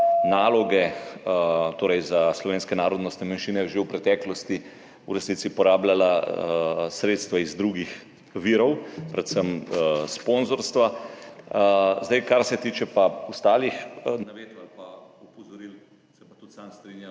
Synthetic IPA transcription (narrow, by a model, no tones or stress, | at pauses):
naːlɔɡɛ | t̪oːɾɛjzaslɔʋeːnskɛnaːɾod̪nɔst̪nɛmanʃiːnɛjʒewpɾɛt̪ɛːklɔst̪i | uɾɛsnit̪sipɔɾaːblala | sɾeːt̪st̪ʋaizd̪ɾuɡix | ʋiːɾɔwpɾɛt̪səmsponzɔɾst̪ʋa | zd̪ajkaɾsɛt̪iːt͡ʃɛpaust̪aːlixnaʋeːt̪alpaɔpɔzɔɾil | sɛpat̪ut̪sanst̪ɾinja